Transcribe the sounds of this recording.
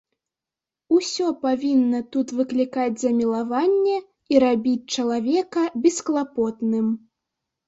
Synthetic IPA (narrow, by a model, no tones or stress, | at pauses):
usʲɔpavʲinːɐt̪ut̪vɨklʲikad͡zʲzɐmʲilˠavanʲːɛ | iɾabʲit͡sʲt͡ʂɐlˠavʲɛkɐbʲɛsklˠapɔt̪nɨm